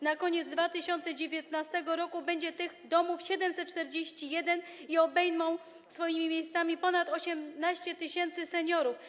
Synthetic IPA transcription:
nakɔɲɛd̪zd̪vat̪ɘɕɔnt̪sɛd͡ʑevʲjet̪nast̪ɛɡɔɾɔkubɛɲd͡ʑɛt̪ɘɣd̪ɔmufɕɛd̪ɛmsɛt̪̚t͡ʂt̪ɛɾd͡ʑeɕt͡ɕijɛd̪ɛniɔbɛjnɔ̃w̃ | sfɔjimʲimʲjejst̪samʲipɔnat̪ɔɕɛmnaɕt͡ɕɛt̪ɘɕɛnt̪sɘsɛɲɔɾuf

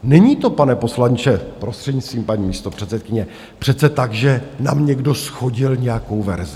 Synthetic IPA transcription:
nɛɲiːt̪o̞panɛpo̞slaɲt͡ʃɛpɾo̞st̪r̥ɛdɲist̪viːmpaɲiːmiːst̪o̞pr̝̥ɛt̪t͡ssɛt̪̚kɪɲɛ | pr̝̥ɛt̪t͡sɛt̪aɡʒɛnamɲɛɡdo̞sxo̞ɟɪlɲɛjako̞wvɛ̰ɾzɪ

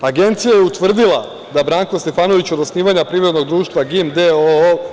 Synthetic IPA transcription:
aɡe̞nt̪sijajeut̪ʋr̩d̪ilˠa | d̪abɾaːŋkost̪efaːno̞ʋit͡ɕo̞d̪osniːʋaɲapɾiːvɾe̞d̪no̞ɡd̪ɾuːʃt̪ʋaɡimd̪eo

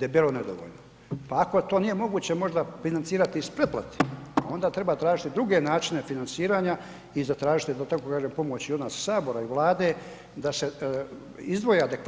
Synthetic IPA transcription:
d̪abiːlo̞ned̪o̰ʋo̰ʎno | paːko̞t̪o̞ːnije̞mo̞ɡuːt͡ɕe̞mo̞ʒd̪afinantsiːɾat̪iːspɾeplˠa̰t̪i̥a̰o̞nd̪aːt̪ɾe̞baːt̪ɾaːʒit̪id̪ɾuɡe̞naːt͡ʃine̞finansiːɾaːɲa | izat̪ɾaːʒit̪id̪at̪akokaːʒempo̞mo̞t͡ɕio̞d̪nassaːbo̞ɾaiʋlˠaːd̪e̞ː | d̪ase̞ | izd̪ʋo̞jead̪e̞k

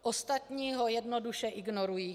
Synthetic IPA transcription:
ʔost̪at̪ɲiːɦo̞jɛdnoduʃɛʔɪɡnoɾujiː

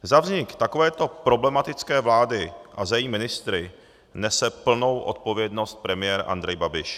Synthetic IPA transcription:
zavzɲɪkt̪akovɛːt̪o̞pɾo̞blɛmat̪ɪt͡skɛːvlaːdɪʔazajɛjiːmɪnɪst̪ɾɪ | nɛsɛpl̩no̞wʔo̞̰t̪̚po̞vjɛdno̞st̪̚pɾɛmɪjɛːɾʔa̰nd̪ɾɛjbabɪʃ

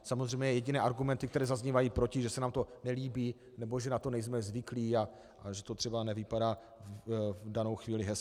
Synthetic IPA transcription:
samozr̝ɛjmɲɛjɛjɛɟɪnɛːʔaɾɡumɛnt̪ɪk̚t̪ɛɾɛːzazɲivajiːpɾocɪʒɛsɛnaːmt̪o̞nɛliːbiː | nɛbo̞ʒɛnat̪o̞nɛjzmɛzvɪkliːa | ʔaʒɛt̪ot̪r̥ɛbanɛvɪpadaː | vdano̞wxviːlɪɦɛs

